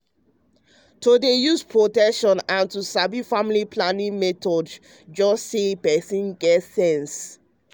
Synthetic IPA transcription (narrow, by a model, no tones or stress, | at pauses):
todejuspʰɹotɛkʃɔ̃nãntusabifamilipʰlanĩŋmɛtɔd | d͡ʒɔsːepɛsĩnɡɛtsɛ̃ns